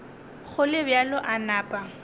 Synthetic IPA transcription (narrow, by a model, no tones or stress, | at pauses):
χʊlɪbjalʊʔanaːpʼa